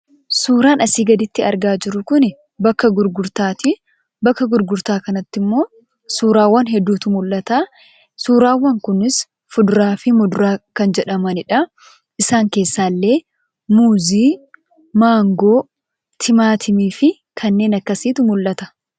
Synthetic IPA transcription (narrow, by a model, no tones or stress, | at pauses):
suːɾaːnɐsiːɡɐd̪ɪt̪ːɪɐɾɡaːd͡ʒɪɾʊkʊnɪ | bɐkːɐɡʊɾɡʊɾt̪aːt̪ɪ | bɐkːɐɡʊɾɡʊɾt̪aːkɐnɐt̪ːɪmːo̞ː | suːɾaːwːɐnɦɛd̪ːuːt̪ʊmʊlːɐt̪aː | suːɾaːwːɐŋkʊnɪs | fʊd̪ʊɾaːfɪmʊd̪ʊɾaːkɐnd͡ʒɛᶑɐmɐnɪᶑɐ | ʔɪsaːŋke̞ːsːaːlːe̞ː | muːziː | maːŋɡoː | t̪ʰɪmaːt̪ʰɪmiːfɪ | kʰɐnːe̞ːnɐkːɐsiːt̪ʊmʊlːɐt̪ɐ̥